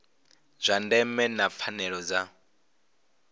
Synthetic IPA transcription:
z̥ʷandɛmɛnap̪fʰanɛɺɔd͡za

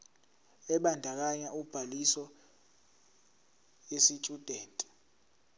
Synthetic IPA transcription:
ɛɓandʱak̬aɲaʔub̥ʱalisɔ | esit͡ʃʼud̥ʱeːntʼɛ̥

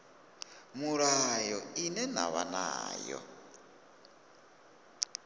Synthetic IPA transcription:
muɺajɔinɛna̰βana̰ːjɔ̰

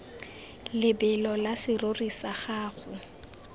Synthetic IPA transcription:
lɪbɛlɔlasɪrorisaχaːɣʊ

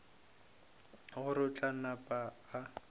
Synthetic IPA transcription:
ɣʊɾʊt͡ɬʼanapʼaː

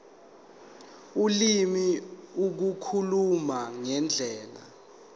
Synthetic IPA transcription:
ulimiuk̬ukʰulumaŋɛnd͡ɮʱɛːla̰

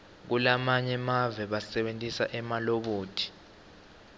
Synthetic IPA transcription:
k̬ulamaɲɛmavɛɓasɛɓentʼisa̰ʔɛmaloɓuːtʰi̥

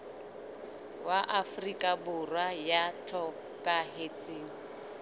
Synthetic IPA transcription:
waʔafrikʼabʊrwajatʰɔ | kʼaɦet͡sʼiːn̩

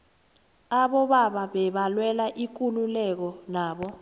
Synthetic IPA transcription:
aɓɔɓaɓaɓɛɓalwɛlaʔik̬ʼululɛk̬ɔnaːɓɔ

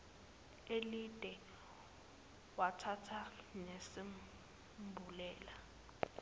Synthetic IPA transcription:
elid̥ʼʱɛ | watʰatʰanesi | bʱulɛːla

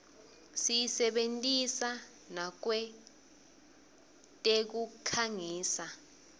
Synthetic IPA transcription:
sijisɛɓentʼisa | nak̬wɛ | tʼek̬ukʰaŋiːsa

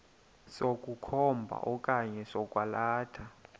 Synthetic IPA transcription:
sokʼukʰɔmbʱa̰ʔɔkʼaɲɛsɔkʼwalaːtʰa

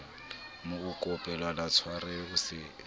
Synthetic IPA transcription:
mʊkukʼɔpʼɛlalat͡sʰwaɾɛɣusɪ

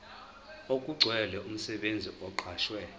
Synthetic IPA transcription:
okʼuɡ͡ǀʱwɛlɛʔum̩sɛɓend͡zʱiʔɔǃʰaːʃwɛ

